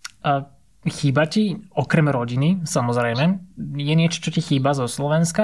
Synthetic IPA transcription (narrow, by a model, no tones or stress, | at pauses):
xiːbaciɔkɾɛmɾɔɟinisamɔzɾɛjmɛjɛnɪɛt͡ʃɔ̥t͡ʃɔcixiːbazɔslɔʋɛnska